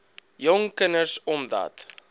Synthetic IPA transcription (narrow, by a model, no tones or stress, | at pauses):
jɔŋkənəsɔmdɑ̰ːt